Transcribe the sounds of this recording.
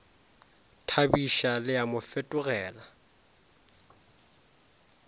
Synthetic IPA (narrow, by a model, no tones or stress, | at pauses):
tʰabiʃalɪamʊfetʼʊɣɛːla